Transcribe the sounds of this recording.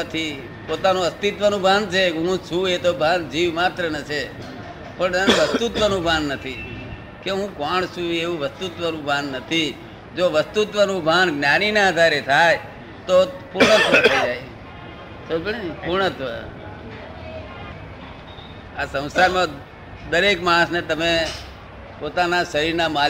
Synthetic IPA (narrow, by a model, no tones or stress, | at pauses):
ət̪ʰi | pot̪anũəst̪it̪ʋənũbʱant͡ʃʰeɦũt͡ʃʰũet̪obʱand͡ʒiʋmat̪ɾənət͡ʃʰe | pəɳñʋəst̪ut̪ʋənũbʱanːət̪ʰi | keɦũkoɳsũeʋũʋəst̪ut̪ʋənũbʱanːət̪ʰi | d͡ʒoʋəst̪ut̪ʋənũbʱanɡnjaninaəd̪ʱaɾet̪ʰae | t̪opuɾɳət̪ʰʋət̪ʰəid͡ʒaj | t̪oipuɾɳət̪ʰʋə̰ | asə̃w̃saɾmã | d̪əɾekmaɽ̃əsnet̪əme | pot̪anaʃəɾiɾnamal